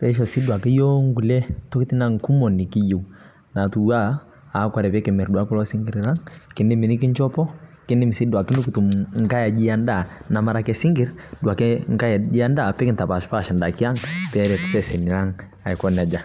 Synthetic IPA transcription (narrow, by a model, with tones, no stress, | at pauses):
pɛ˦ʃ̬ɔ˨si˦du˨a˨kɛ˦jɔ˦ŋɡu˨lɛ˦tɔ˦ki˦ti˦na˦ŋ˨ku˦mɔ˨ni˨ki˦ji˨u˨ | na˨tu˨˦a˦ | a˨˦kwa˨ɾɛ˨pɛ˦kɛ˨mɛ˨ɾdu˨a˦ku˦lɔ˦si˦ŋɡi˦ɾi˨ɾa˦ŋki˨ndi˦mi˨ni˦ki˦ɲt͡ʃɔ˦pɔ˦ | ki˦ni˦m̩˨si˦dwa˨ki˦ndu˦ku˨tu˨mŋ˦ka˦ja˨d͡ʒi˦a˦nda˦˨na˨ma˦ɾa˨˦kɛ˨si˦ŋɡi˨˦ɾdu˨a˨kɛ˦ŋka˦ja˨d͡ʒi˦a˦nda˨pɛ˦ki˨nta˨pa˨ʃu̥˨pa˦˨ʃa˨nda˨ki˦a˦ŋpɛ˦ɾɛ˨tu̥˦sɛ˦˨sɛ˨ni˨ɾa˦ŋ | a˨i˨kɔ˦n˨a˨d͡ʒa˨